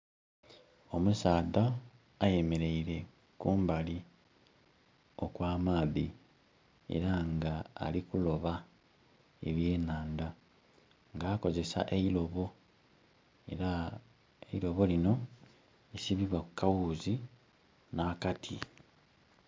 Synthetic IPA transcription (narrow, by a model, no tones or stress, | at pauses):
o̞musaːðaː | je̞me̞ɾe̞iɾe̞ | kuːmbali | okwaːmaːðḭ | e̞̰ɾaŋɡa̰ːlikulo̞βa | ḛβje̞ːnaːnd̪a | ŋɡaːko̞ze̞sa̰ʔeilo̞βo̞ | e̞̰ɾa | eilo̞βo̞lino̞ | esiβiβwakukawuːzi | naːkatʰi